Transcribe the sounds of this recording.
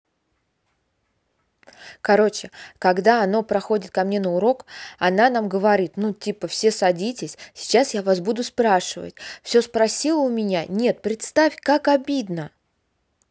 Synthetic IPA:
kɐɾo̞t͡ɕɪkɐɡd̪aɐno̞pɾɐxo̞dʲɪt̪̚kɐmnʲe̞nəʊɾo̞kɐnanamɡəvɐɾʲit̪nutʲipəfsʲe̞sɐdʲitʲɪsʲsʲɪ̥t͡ɕasjavas̬bud̪ʊspɾaʂɨvə̰tʲfsʲo̞spɾɐsʲilˠəʊmʲɪnʲanʲe̞t̪̚pɾʲɪt̪st̪afʲkakɐbʲid̪nə

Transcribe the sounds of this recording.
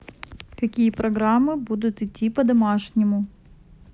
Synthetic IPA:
kɐkʲijəpɾɐɡɾamːɨbud̪ʊt̪ɪtʲːipəd̪ɐmaʂnʲɪmʊ

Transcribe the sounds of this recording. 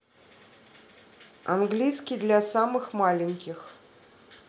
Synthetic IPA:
a̰nɡlʲijskʲid̪lʲasamɨxmalʲɪnʲkʲɪx

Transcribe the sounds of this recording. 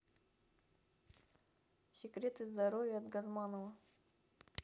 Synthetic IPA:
sʲɪkɾʲet̪ɨzd̪ɐɾovʲjəɐt̪ɡɐzmanəvə

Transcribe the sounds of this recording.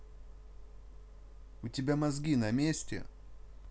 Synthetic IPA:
ʊtʲɪbʲamɐzɡʲinɐmʲesʲtʲɪ̰

